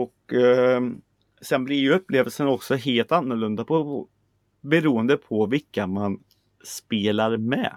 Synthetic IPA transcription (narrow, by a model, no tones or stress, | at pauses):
ɔk | sɛnblɪɾjɵɵpːleːvəlsənɔksɔɦeːlt̪anːʊɭɵnd̪apʰɔ | bɛɾuːənd̪əpʰɔvɪkːaman | speːlaɾmɛ̰